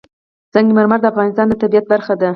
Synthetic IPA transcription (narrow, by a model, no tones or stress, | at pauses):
z̥aŋɡimaɾmaɾd̪əafɣɑnɪst̪ɑnd̪ət̪abijat̪̚baɾxad̪a